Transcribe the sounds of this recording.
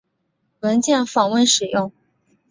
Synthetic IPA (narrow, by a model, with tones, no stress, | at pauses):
wə˧˥nt͡ɕjɛ˥˩nfɑ˨˩ŋwə˥˧nʂɻ̩˨˩jʊ˥˩ŋ